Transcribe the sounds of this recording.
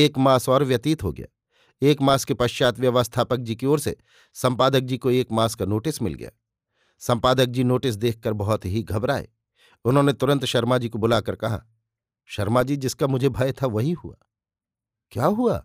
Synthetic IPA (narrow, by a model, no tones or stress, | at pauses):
eːkmaːsɔːɾʋjɐt̪iːt̪ɦo̰ɡɐ̰ja̰ː | eːkmaːskepɐʃt͡ʃaːt̪ʋjɐʋəst̪ʰaːpək̚d͡ʒikeoːɾsḛ | sɐ̃mpaːd̪ək̚d͡ʒikoeːkmaːskanoːʈɪsmɪ̰lɡɐ̰ja̰ː | sɐ̃mpaːd̪ək̚d͡ʒinoːʈɪs̬d̪eːk̚ʰːəɾbɐɦʊt̪ɦiɡʱɐbɾaːḛː | ʊnɦõːnet̪ʊɾə̃nt̪ʃɐɾmaːd͡ʒikobʊlaːkɐɾkɐɦa̰ | ʃɐɾmad͡ʒid͡ʒɪskamʊd͡ʒʱebʱaːjt̪ʰaʋɐɦiɦṵa̰ː | kjaːɦua̰ː